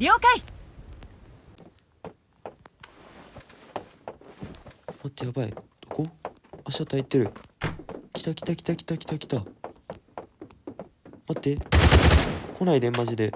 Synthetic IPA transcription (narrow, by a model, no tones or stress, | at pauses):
ɾʲiokai | mat̪ːe̞jabaḭd̪̥okoaɕat̪ait̪ːeɾɯ̟ | kʲi̥t̪akʲi̥t̪akʲi̥t̪akʲi̥t̪akʲi̥t̪akʲi̥t̪a | mat̪ːe | ko̞naid̪ẽ̞mmad͡ʑid̪e̞